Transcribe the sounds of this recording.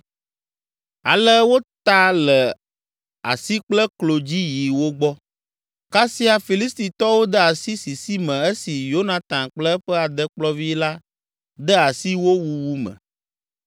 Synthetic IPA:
a˨lɛ˦wo˦t̪a˦lɛ˨ | a̰˨si˦k͡plɛ˦klo˨d͡ʑi˦ji˨wo˦ɡ͡bɔ˦ | ka˦si˦a˨fi˨li˦st̪i˨t̪ɔ˦wo˦d̪ɛ˦a˨si˦si˨si˦mɛ̃˨ɛ˦si˨jo˦nã˨t̪ã˨nk͡plɛ˦ɸɛ˦a˨d̪ɛ˦k͡plɔ˦vi˦la˦ | d̪ɛ˦a˨si˦wo˦wu˨wu˦mɛ̰̃˨

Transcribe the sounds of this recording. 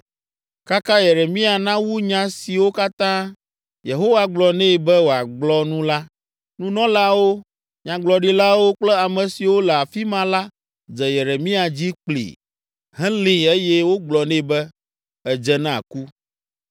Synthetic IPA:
ka˦kã˦je˨ɾe˨mĩ˦a˨nã˦wu˦ɲã˦si˨wo˦ka˦t̪ã˦ | je˨ɦo˦wa˦ɡ͡blɔ˨nɛ̃˦˨bɛ˦wo˨a˨ɡ͡blɔ˦nũ˦la˦ | nũ˦nɔ̃˦la˦wo˦ | ɲã˨ɡ͡blɔ˨ɖi˦la˦wo˦k͡plɛ˦a˨mɛ̃˨si˨wo˦lɛ˨a˨fi˦mã˦la˦ | d͡zɛ˨je˨ɾe˨mĩ˦a˨d͡ʑi˦k͡plḭ˨ | ɦɛ̃˦lĩ˨e˦jɛ˦wo˦ɡ͡blɔ˨nɛ̃˦bɛ˦ | ɛ˨d͡ʒɛ˦nã̰˦˨ku˦

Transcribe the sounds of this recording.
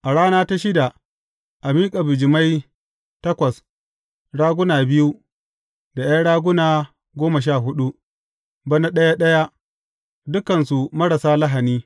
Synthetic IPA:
ʔa˨ɽaː˦naː˦ta˦ʃɪ˦da˨ | ʔa˨miː˦kʼa˨bɪ˨d͡ʒɪ˨ma˦j | tɐ˦kʷɐ˨s | ɽaː˦ɡʷʊ˦naː˨bɪ˦ju˦ | da˨ja˦ɽaː˦ɡʷʊ˦naː˨ | ɡʷoː˦mɐ˨ʃ̬aː˦˨ɦʊ˦ɗu˦ | bɐ˦na˦ɗɐ˦ja˦ɗɐ˦ja˦ | dʊ˦kɐ˨nsu˨mɐ˦ɽɐ˨saː˦lɐ˦ɦa˨niː˦

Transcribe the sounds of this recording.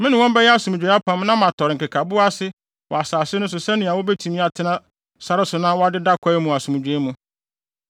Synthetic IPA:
mɪ̃˦nɪ̃˨wɔ̃˦mbɛ˦jɛ˦a˦sũ˨m˨d͡ʑᶣe˨˦a˦pʰã˦m˦nã˦mã˨tʰɔ˨ɾɪ˨ŋ̩˨kɪ˨kʰa˨bʊ˦a˦sɪ˦ | wɔ˨a˨saː˨sɪ˦nʊ̃˦s̬ʊ˨sɛ˦nĩ˨a˨wʊ˦bɛ˦tʰĩ˨mĩ˦a˨tʰɪ˦nã˦ | sa˦ɾɪ˦sʊ˨nã˦wɔ˦a˦dɪ˦da˦kʰɔ˦ɛ˦mũ˨a˨sũ˨mũ˨d͡ʑᶣe˦mũ˦

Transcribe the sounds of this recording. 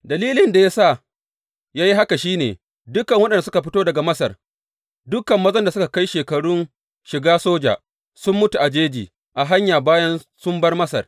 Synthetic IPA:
dɐ˨liː˦lɪ˦nda˨jaː˦sa˦˨ | jaː˦ji˦ɦa˦ka˨ʃiː˦nḛː˨ | dʊ˦kɐ˨ŋwɐ˦ɗɐ˨nda˨s̬ʊ˦ka˨ɸ̬ɪ˦toː˦dɐ˨ɡa˨mɐ˦sɐ˨r | dʊ˦kɐ˨mːɐ˦zɐ˦nda˨sʊ˦ka˨ka˦jʃeː˨kɐ˨ɽʊ˦n | ʃɪ˨ɡaː˦soː˦d͡ʒa̰˨ | sʊ˦mːʊ˦tu˨ʔa˨d͡ʒeː˦d͡ʒiː˨ | ʔa˨ɦa˦ɲjaː˨baː˦jɐ˦n | sʊ˦mbɐ˦rmɐ˦sɐ̰˨r

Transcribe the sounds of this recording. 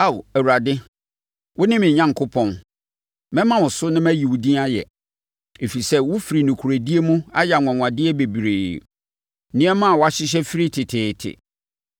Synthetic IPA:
a˦˨wæ˨wu˨ɾa˨dɪ˦ | wʔʊ˦nɪ̃˦mɪ̃˨ɲã˦ŋ˨kʰʊ˦pʰɔ̃˦n | mɛ̃˦mã˦wʊ̃˨sʊ˦nɪ̃˦mæ˦ji˨wʊ˨dĩ˦a˦jɛ˨ | e˨fi˨sɛ˦wʊ˦fi˨ɾi˨nũ˨kʰu˨ɾæ˨di˦e˦mũ˦a˦ja˨ŋʷ˨ɔ̃˨ŋʷ˨ã˨dɪ˦ɛ˦be˨bi˨ɾeː˨ | nɪ̃˦ɛ˦mã˦a˨wa˦ɕɪ˦ɕ̬ɛ˦fi˦ɾi˦tʰɪ˨tʰɪː˨tʰɪ̰˨

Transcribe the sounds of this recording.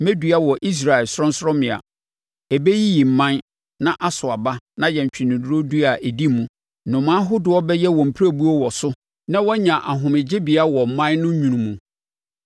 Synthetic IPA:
me˦dɥa˦wɔ˨ʔi˦s̬ɾa˨ɛ˨lsɾɔ̃˦n̩˦sɾɔ̃˦mɪ̃˨a̰˨ | ɛ˨be˦ji˦ji˨m̩˨mã˦n | nã˦ʔa˦sʊ˨a˨ba˦nã˦jɛ˨ɲ˨t͡ɕᶣɪ˨nɪ̃˨dʊ˦o˦du˦a˨ʔe˨di˦˨mũ˨ | nʊ̃˨mã˦ɦʊ˦dʊ˨ɔ˦bɛ˦jɛ˦wɔ̃˨m̩˨pʰi˦ɾæ˦bu˦ɔ˦wɔ˨sʊ˦ | nã˦wɔ˦ɲã˨ʔa˨ɦʊ̃˨mɪ̃˨d͡ʑɪ˦bi˨a˦wɔ˨m̩˨mã˦nnʊ̃˦ɲũ˨nũ˨mũ˨

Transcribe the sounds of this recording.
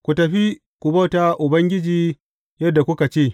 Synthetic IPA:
kʷu˨tɐ˨ɸi˦ | kʷu˨bɐ˦wta˦ʔʊ˨bɐ˦ŋɡʲɪ˦d͡ʒiː˦ | jɐ˦dːa˨kʷʊ˦ka˨t͡ʃeː˦˨

